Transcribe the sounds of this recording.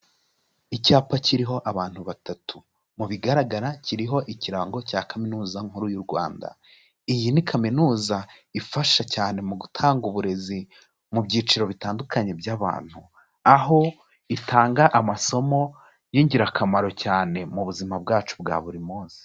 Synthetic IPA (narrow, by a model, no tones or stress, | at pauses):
icaːpaciɾiɦo̞ʔaβaːn̥huβatatu | muβiɡaɾaɡaɾaciɾiɦo̞ʔiciɾaŋɡo̞caːkaminuːzaŋ̥huɾujuɾɡwa̰ːnda̰ | ijinikʰaminuːzaifaʃacaːne̞muɡutʰaːŋɡuβuɾe̞zi | mubɟiːt͡ʃiɾo̞βitaːndukaɲe̞bjaβa̰ːn̥hu | aɦo̞ | itʰaːŋɡaʔamaso̞mo̞ | jiːɲɟiɾakamaɾo̞caːne̞muβuzimab̚ɡaːt͡ʃu̥bɡa̰ːβuɾimoːz̥i̥